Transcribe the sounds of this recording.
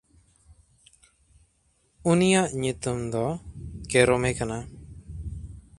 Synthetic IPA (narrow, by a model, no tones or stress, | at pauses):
unijaʔɲut̪umd̪ɔkɛɾɔmɛkana